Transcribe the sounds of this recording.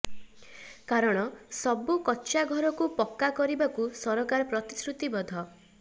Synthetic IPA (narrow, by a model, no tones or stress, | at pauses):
kaɾɔɽ̃ɔsɔbukɔtːʃaɡʱɔɾɔkupɔkːakɔɾibakusɔɾɔkaɾɔpɾɔt̪i̥sɾut̪ibɔd̪ʱɔ